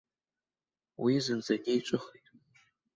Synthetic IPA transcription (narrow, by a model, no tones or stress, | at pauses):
wizɨnzaɡʲejt͡ʃʷʼɨχijtʼ